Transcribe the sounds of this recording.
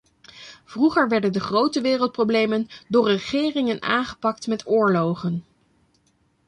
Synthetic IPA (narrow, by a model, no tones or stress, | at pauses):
v̥ruχəɹʋɛɹdəndəχrowtəʋɪːrəlˠt̚prowblejməndʊːɹəχɪːrɪŋəna̰ːnχə̥pɑk̚tmɛtʰʊːɹlowχən